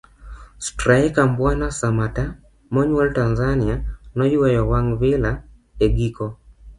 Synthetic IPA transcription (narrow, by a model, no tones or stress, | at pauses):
straɛkambwanasamata | mɔɲwɛltanzanianɔiwɛjɔwaŋvɪla | eɡikɔ